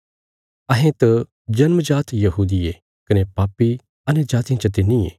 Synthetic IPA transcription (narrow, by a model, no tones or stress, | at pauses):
ɐɦẽt̪ɐ | d͡ʒɐnməd͡ʒaːt̪jɐɦuːd̪ie | kɐnepaːpːi | ɐned͡ʒaːt̪ijãt͡ʃɐt̪ɪniḛː